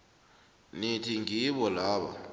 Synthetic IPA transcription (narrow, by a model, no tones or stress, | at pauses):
nitʰiŋiɓɔlaːɓa̰